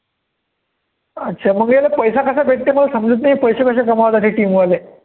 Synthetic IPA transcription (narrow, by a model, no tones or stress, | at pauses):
ətːɕʰaməŋɡejlepəjsakəsabʱek̚t̪iməlasəmd͡zət̪̬naɦipəjsakəɕ̬akəmaʋat̪at̪ʰeʈiːmuale